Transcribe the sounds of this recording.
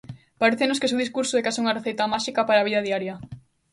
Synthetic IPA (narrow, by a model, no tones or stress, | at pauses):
paɾeθenos̬kes̬euðiskuɾsoekasuŋɐreθejt̪ɐmaʃikɐpaɾaːβiðɐðiaɾjɐ